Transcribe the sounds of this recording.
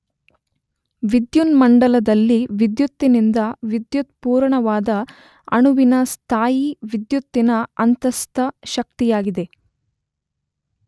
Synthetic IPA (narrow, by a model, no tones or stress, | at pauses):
ʋid̪junmɐɳɖɐlɐd̪ɐlːiʋid̪jut̪ːinind̪ɐʋid̪jut̪̚puːɾɳɐʋaːd̪ɐ | ɐ̰ɳuʋinɐst̪ʰaːjiʋid̪jut̪ːinɐɐnt̪ɐst̪ɐʃɐk̚t̪ijaːɡid̪e̞